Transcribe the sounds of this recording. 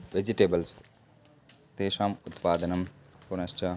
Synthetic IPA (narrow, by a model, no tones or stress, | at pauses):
ʋed͡ʒiʈeːbɐls | t̪eːʃaːmut̪paːd̪ɐnɐmpuɾnɐsʈɐ